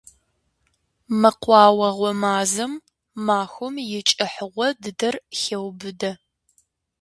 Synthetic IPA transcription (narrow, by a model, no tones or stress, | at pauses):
mɐqʷɑːwɐʁʷɔmaːzɐmː | aːxʷʊmjɪt͡ʃʼɪħəʁʷɔdɨdɐrxewbɨdɐ